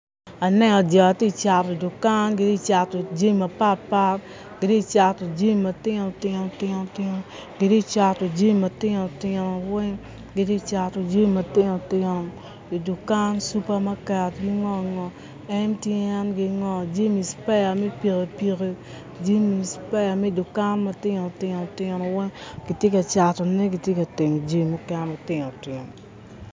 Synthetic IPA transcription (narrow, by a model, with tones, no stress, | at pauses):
a˨nɛ˦ŋɔ˨d͡ʒɔ˨a˨ti˦t͡ʃa˨ti˨du˨ka˦nɡɪ˨di˦˨t͡ʃa˨to˨d͡ʒe˦˨ma˨pa˦tpa˦t | ɡ̥ɪ˨di˦˨t͡ʃa˨to˨d͡ʒe˦m˨ma˨tɪ˦ŋo˨tɪ˦no˨tɪ˦no˨tɪ˦no˦ | ɡe˨di˦˨t͡ʃa˨to˨d͡ʒe˦˨ma˨tɪ˦no˨tɪ˦nɔ˨wɛ˦ŋ | ɡɪ˨ti˦˨t͡ʃa˨to˨d͡ʒe˦˨ma˨tɪ˦no˨tɪ˦o˨ŋ | i˨du˨ka˦nsu˦pa˦ma˦kɛ˨tɡi˦ŋɔ˦˨ŋɔ˨ | ɛ˦ntje˦ɛ˦nɡɪ˨˦ŋɔ˨d͡ʒe˦mi˨spa˦ja˨mɛ˦pi˨ke˨pi˨ke˨ | d͡ʒe˦mi˨spa˦ja˨mɛ˦du˨ka˦nma˨tɪ˦ŋ˨o˨tɪ˦ŋ˨o˨tɪ˦nɔ˨wɛ˦ŋɡi˨tje˦ka˨t͡ʃa˨tɔ˨nɛ˦ɡi˨tje˦kɐ˨tɪ˨ŋ˨d͡ʒe˦˨mo˦kɛ˦no˨tɪ˦ŋo˨tɪ˨ŋo˨